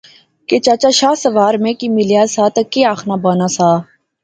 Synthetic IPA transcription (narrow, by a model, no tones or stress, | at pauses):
ket͡ʃaːt͡ʃaːʃaːsəʋaːɾmẽːkiːmɪlijaːsaːt̪ɐkːeːaːxnaːbaːnaːsaː